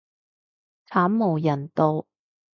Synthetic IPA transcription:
t͡sʰaː˨˥mːo˨˩wjɐ˨˩nt̪o˧w

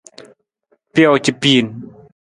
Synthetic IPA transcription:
pjɔ˥˨wt͡ɕi˨pi˧˩n

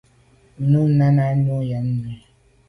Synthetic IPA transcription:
nu˦n̩˦na˦na˦ɲ˦ʊ˦ja˨n̩˦ne˦

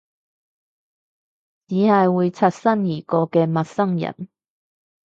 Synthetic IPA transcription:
t͡siː˨˥hɐ˨jwuː˨˧jt͡sʰɐ˧t̚sɐ˥njiː˨˩kɔː˧kɛː˧mɐ˨t̚sɐ˥ŋjɐ̰˨˩n

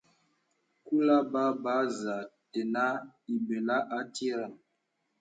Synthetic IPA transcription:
ku˦la˦ba˦ba˦za˨tɛ˨na˦i˨be˨la˦ʔa˦ti˦ɾa˨n

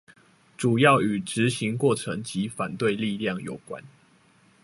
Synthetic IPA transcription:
ʈ͡ʂu˨˩jɑ˥˨ʊy˨˩ʈ͡ʂɻ̩˨˦ɕi˨˦ŋkwɔ˥˨˩ʈ͡ʂʰɤ˧˦ŋt͡ɕi˨˦fa˨˩nt̪we˥˧ɪli˥˧ljɑ˥˨˩ŋjo̰˨˩ʊkwa̰˦n

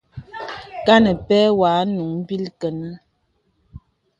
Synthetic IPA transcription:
ka˦nə˨pɛ˦wa˨˦nu˨˦ŋm̩˦bi˦lkə˨nə˦

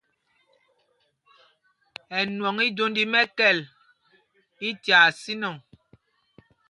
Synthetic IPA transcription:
ɛ˨nwɔ˨ŋi˦do˦ndi˨mɛ˦kɛ˦˨l | i˦tja˨si˦nɔ˨ŋ

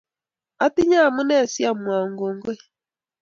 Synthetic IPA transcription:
a˦ti˦ɲa˦˨mu˦ne˦˨si˦a˦˨mwa˨ŋɡo˨ŋ˦ɡwe˦

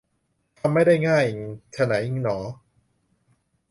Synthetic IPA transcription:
t̪ʰa˧mːa˥˩jda˥˩jŋaː˥˩jt͡ɕʰa˧na˩˦ji˧ŋnɔː˩˦

